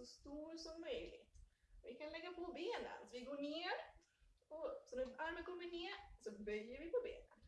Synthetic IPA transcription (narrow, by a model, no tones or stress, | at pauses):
sɔst̪uːɾsɔmːœjlɪ̰ɡt̪ɔvɪkʰanlɛɡːapʰɔbeːnə̰nsɔvɪɡoːɳeːɾ | ɔsɔnæaɾmənkʰɔmːəvɪneːɾsɔbœjːəɾvɪpʰɔbḛːnən